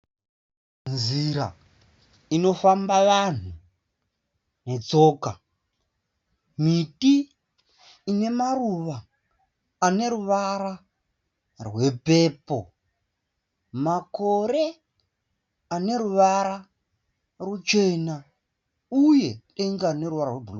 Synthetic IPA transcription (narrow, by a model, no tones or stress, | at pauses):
nziɾa̰ | ino̞fambaʋan̤u | ne̞t͡so̞ːka | miti | ne̞maruʋaː | ne̞ɾuʋaɾa | rwe̞pe̞ːpo̰ | mako̞ɾe̞ | ane̞ɾuʋaɾa | rut͡ʃe̞na | uje̞teŋɡane̞ɾuʋaɾarwebʱul